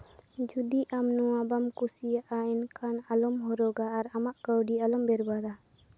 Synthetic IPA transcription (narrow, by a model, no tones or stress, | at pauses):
d͡ʒud̪iʔamnɔwabamkusijaʔaɛnkʰanalɔmɦɔɾɔɡaːɾamaʔkəwɖialɔmbɛɾbad̪a